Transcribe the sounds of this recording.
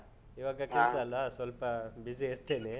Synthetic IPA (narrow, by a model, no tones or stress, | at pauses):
iʋaːɡɐkesɐlasʋɐlpɐbizeiɾt̪eːne